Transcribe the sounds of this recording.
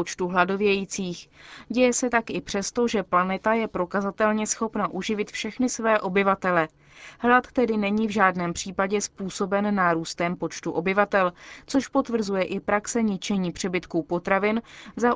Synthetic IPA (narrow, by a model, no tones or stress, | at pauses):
ot͡ʃt̪uɦlado̞vjɛjiːt͡siːxɟɛjɛsɛt̪akʔɪpr̝̥ɛst̪o̞ʒɛplanɛt̪ajɛpɾo̞kazat̪ɛlɲɛsxo̞pnaʔuʒɪvɪt̪fʃɛxnɪsvɛːʔo̞bɪvat̪ɛlɛ | ɦlat̪ːɛdɪnɛɲiːvʒaːdnɛːmpr̥iːpaɟɛspuːso̞bɛnːaːɾuːst̪ɛmpo̞t͡ʃt̪uʔo̞bɪvat̪ɛlt͡so̞ʃpo̞t̪vr̩zujɛʔɪpɾaksɛɲɪt͡ʃɛɲiːpr̥ɛbɪt̪kupo̞t̪ɾavɪnza